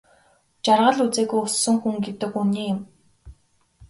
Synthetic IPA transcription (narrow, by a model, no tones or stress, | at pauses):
t͡ɕarʁə̆ɮut͡seːɣujʊsːɵ̆ŋxuŋɡet̪ɘ̆kuniːjʊ̆m